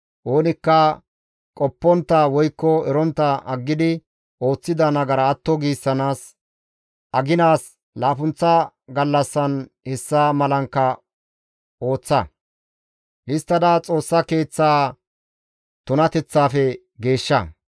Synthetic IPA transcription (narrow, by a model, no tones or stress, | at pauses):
ʔo̞ːnɪkːɐ | kʼɔpːɔnt̪ːɐwɔjkːɔɛɾɔnt̪ːɐʔɐɡːɪd̪ɪ | ʔo̞ːt͡sːɪd̪ɐnɐɡɐɾɐːt̪ːɔɡiːsːɐnaːs | ʔɐɡɪnaːs | laːfʊnt͡sːɐ | ɡɐlːɐsːɐn | hɛsːaːmɐlɐŋkːɐ | o̞ːt͡sːɐ̰ | ʔɪst̪ːɐd̪at͡sʼo̞ːsːɐke̞ːt͡sːaː | t̪ʊnɐt̪ɛt͡sːaːfɛ | ɡe̞ːʃːɐ